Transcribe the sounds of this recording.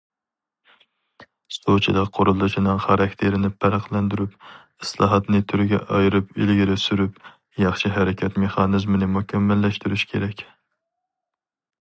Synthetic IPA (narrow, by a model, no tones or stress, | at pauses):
st̪ot͡ʃʰidˠqʰoɾɨlˠːɨʃinɨŋχɑɾɑkʲt̪ʰeɾɪnɪpʰæɾɑqlˠɛnd̪yɾyp | ɨslˠɑ̰ɦɑt̪nɨt̪ʰyɾɡʲɛ̰ʔɑjɾɨpilɡʲiɾɪsyɾyp | jɑχʃiɦæɾɪkʲʰɛt̪meχɑnɨzmɪnɪmukʲʰɛmːælːɛʃt̪yɾyʃkʲʰeɾɛkʲ